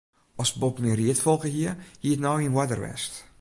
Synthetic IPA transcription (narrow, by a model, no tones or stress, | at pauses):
ɔsbopmiəriətfolˠkəɦiərhiətnɔwinwadərʋɛ̰st